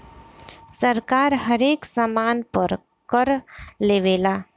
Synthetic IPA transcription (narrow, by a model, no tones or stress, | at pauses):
səɾkaːɾɦəɾeːksəmaːnpəɾ | kəɾleːʋeːlaː